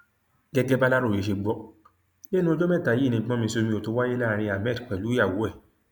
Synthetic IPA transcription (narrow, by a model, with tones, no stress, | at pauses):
ɡɛ˦ɡɛ˦ba˦la˦ɾo˦˨e˨˦ʃ̬e˧ɡ͡bɔ˦ | le˦nũ˦o˧d͡ʒo˦mɛ̃˦˨ta˨ji˦˨nĩ˧˨ɡ͡bɔ̃˨˦mĩ˧so˧mĩ˧o˨to˧˦wa˦je˦la˦˨˧ɾ̃ĩ˧a˨mɛ˦˨dk͡pɛ˨lu˨˦a˦˨wo˨˦ɛ˦˨